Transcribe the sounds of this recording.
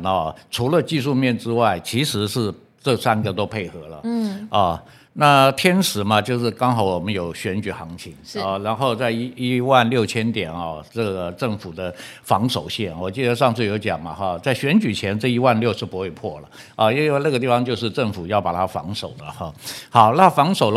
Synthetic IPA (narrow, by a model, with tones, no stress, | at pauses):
nɔ˥˩ʈ͡ʂʰu˧˥lə˧t͡ɕi˥˧ʂu˥˧mjɛ˥˩nʈ͡ʂɻ̩˥wa˥˩ɪt͡ɕʰi˧˥ʂɻ̩˧˥ʂɻ̩˥˧ | ʈ͡ʂɤ˥˩sa˥nɡə˨t̪o˥ʊpʰe˥˩ɪxɤ˧˥lə̰˨ɐ˥˩ | na˥˧t̪ʰjɛ˥nʂɻ̩˨˥mɐ˧t͡ɕjo˥˧ʊʂɻ̩˥˩kɑ˥ŋxɑ˧˥ʊwɔ˨˩mə˦njo˨˩ʊɕɥɛ˧˥nt͡ɕy˨˩xɑ˧˥ŋt͡ɕʰi˧˥ŋɐ˥˧ɻa˧˥nxo˥˧ʊt͡sa˥˧ɪi˥i˥wa˥˧nljo˥˩ʊt͡ɕʰjɛ˥nt̪jɛ˨˩nɐ˥˧ʈ͡ʂɤ˥˩ɡə˩ʈ͡ʂɤ˥˩ŋfu˨˩d̪ə˦fɑ˧˥ŋʂo˨˩ʊɕjɛ˥˩nwɔ˨˩t͡ɕi˥˩d̪ə˩ʂɑ˥˧ŋt͡s̩ʰ˥˩jo˧˥ʊt͡ɕjɑ̰˨˩ŋmɐ˦ɐ˧t͡sa˥˩ɪɕɥɛ˧˥nt͡ɕy˨˩t͡ɕʰjɛ˧˥nʈ͡ʂɤ˥˧˩i˥wa˥˧nljo˥˧ʊʂʰɻ̩˥˩pu˧˥xwe˥˧ɪpʰwɔ˥˩lə̰˩ | ɔ˥˧i˥we˥˧na˥˩ɡə˩t̪i˥˩fɑ˧˥ŋt͡ɕjo˥˧ʊʂ̬ɻ̩˥˧ʈ͡ʂə˥˩ŋfu˨˩jɑ˥˩ʊpa˨˩t̪ʰa˥fɑ̰˧˥ŋʂo˨˩ʊd̪ə̰˦˥˧xɑ˨˩˦ʊna˥fɑ˧˥ŋʂo˨˩ʊl